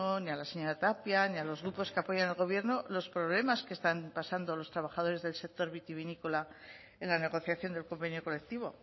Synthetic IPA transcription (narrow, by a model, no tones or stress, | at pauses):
onialaseɲalat̪apjanialo̞zɣɾupo̞skeapo̞ʝanelɣ̞o̞β̞je̞ɾnolospɾo̞βle̞maskest̪ampasand̪o̞lo̞st̪ɾaβaχaðo̞ɾe̞zðe̞lse̞k̚t̪o̞ɾβit̪iβinikola | e̞nlane̞ɣ̞o̞θjaθjo̞nd̪elko̞mbe̞njo̞ko̞le̞k̚t̪iβ̞o̞